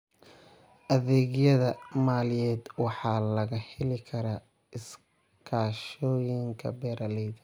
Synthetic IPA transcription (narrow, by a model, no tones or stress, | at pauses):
ʔɐðɛːɣjɐðɐmaːljɛːd̪wɑħɑːlɐɣɐhɪlɪkʰɐɾaː | ɪs | kʰaːʃɔːjɪŋkʰɐ̰bɛːɾʔɐlɛjðɐ